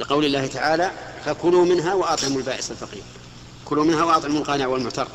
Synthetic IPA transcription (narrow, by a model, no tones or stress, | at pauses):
lɪqɑwlɪlːaːht̪aʕaːlakakʊlumɪnɦawʔɑt̪ˤʕɪmʊlbaːʔɪsalfɑqḭːɾ | kʊlumɪnhawʔɑt̪ˤʕɪmʊlqɑːnɪʕwəlmʊʕt̪ɑɾˤ